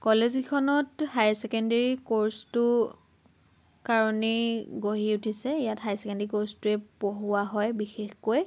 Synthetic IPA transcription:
kɔlezikʰɔnɔthajsɛkɛndeɹikoɹstʊ | kaɹɔniɡoɦiutʰisɛijatɦajsɛkɛndeɹikoɹstʊɛpoɦʊwaɦɔjbixexkoj

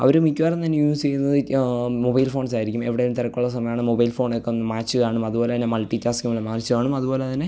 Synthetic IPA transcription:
ɐ̰ʋɐɾumitːuʋaːɾɐnt̪ɐnːjuːst͡ɕejunːɐðɨmobɐjlfo̞ːɳsaːjiɾikʲːume̞ʋiɽeːlumt̪iɾɐkːuɭːɐs̬ɐmɐjaːɳɨmo̞bɐjlfo̞ːɳekːeonːɐmaːt͡ɕːɨkaːɳumɐðupo̞ːleðinːemɐlʈːitːaːskʲumɐɭːɐmaːrt͡ɕːɨkaːɳumɐðupo̞ːleɐðine

